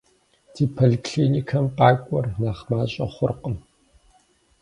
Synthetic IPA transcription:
d̥ʰiːpʰolikʰɬiːnikʰɐmqaːkʷʼɔrnaːχmaːɕʼɐχʷʊrqəm

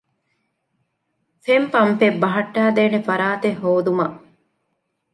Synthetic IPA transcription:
fempɐmfebːɐɦɐʈːæːd̪eːnefɐɾaːt̪eɦoːd̪umɐʔ

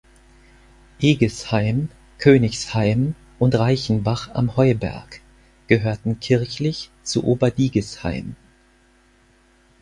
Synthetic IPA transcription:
ʔeːɡəshaɪm | kʰøːnɪçshaɪm | ʔʊntʁaɪçn̩baχa̰mhɔʏbɛ̰ɐk | ɡ̥əɦøːɐtn̩kʰɪɐçlɪçt͡sṵʔoːbɐdiːɡəsha̰ɪm

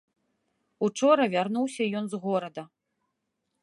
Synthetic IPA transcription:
ut͡ʂɔɾɐvʲarnuwsʲɐjɔnzɣɔɾɐd̪ɐ

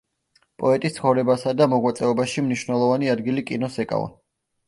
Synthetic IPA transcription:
pʼɔɛt̪ʼist̪sχɔvɾɛbasad̪amɔɡwat̪sʼɛɔbaʃimniʃwnɛlˠɔvaniad̪ɡilikʼinɔsɛkʼa̰va̰n

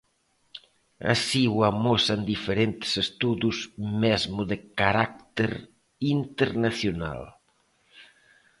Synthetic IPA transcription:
a̰siwamɔsand̪ifeɾent̪e̥sest̪uðuzmɛzmuðekaɾak̚t̪eɾ | int̪eɾnaθjona̰l

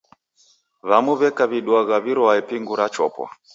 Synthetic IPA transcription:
βamuβɛkaβiɗwaɣaβiɾɔaɛpiŋɡuɾat͡ʃɔ̰pwa̰

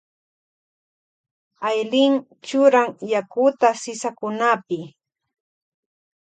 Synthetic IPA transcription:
ajlɪŋ | t͡ʃʊɾaŋjakʊt̪asɪsakʊnapɪ

